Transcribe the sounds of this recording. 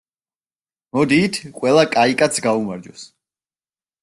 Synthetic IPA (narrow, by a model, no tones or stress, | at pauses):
mɔd̪iːt̪ʰqʼwɛlˠakʼaikʼat̪sʰɡaumaɾd͡ʒɔs